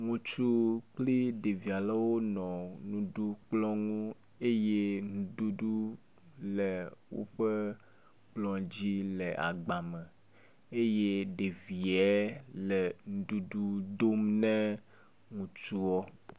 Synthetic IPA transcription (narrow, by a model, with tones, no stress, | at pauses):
ŋũ˨t͡ʃu˦k͡pli˦ɖe˨vi˨a˨le˦wo˦nɔ̃˨nũ˨ɖu˦k͡plɔ̃˦ŋũ˦ | e˦je˦ŋũ˨ɖu˦ɖu˦ | lɛ˨wo̰˦ɸe˦ | k͡plɔ̃˦d͡ʑi˦le˨ʔa̰˨ɡ͡ba˨mẽ˨ | e˦je˦ɖe˨vi˨ɛ˦lɛ˨ŋũ˨ɖu˦ɖu˦do˦mnɛ̃˦ | ŋũ˨t͡ʃu˦wɔ˦